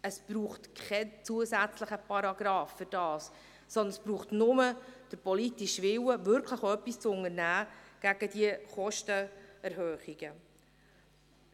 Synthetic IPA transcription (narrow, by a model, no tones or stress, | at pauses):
əsb̥ɾuːχtkʰɛnt͡suəsæt͡sləχəpɑɾɑɡ̥ɾɑːfːʏɾd̥ɑːsː | ɔnd̪ənəsb̥ɾuːχtnʊməd̥əɾpɔlitiʃʋɪwəvʏɾkʰləχœpːist͡sʊŋəɾnæːɡ̥æɡ̥əd̥iəχɔʃtəɛɾɦœːχiɡ̥ə